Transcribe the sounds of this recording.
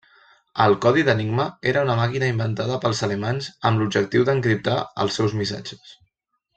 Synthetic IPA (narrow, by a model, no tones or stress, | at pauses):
əlˠkɔðiðəniɡməeɾəunəmakinəimbənt̪að̞əpəlˠzəlemanzəmblub̚d͡ʒək̚t̪iwðəŋkɾip̚t̪a̰ə̰lˠsɛwzmisa̰d͡ʒə̥s